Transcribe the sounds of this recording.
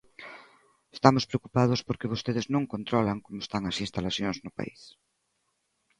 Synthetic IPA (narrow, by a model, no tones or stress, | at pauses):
est̪amʊspɾeokupað̞ʊspoɾkeβ̞ost̪eð̞ɪznõŋkont̪ɾɔlaŋkomoe̥st̪aŋɐsinst̪alaθjoŋznʊpa̰is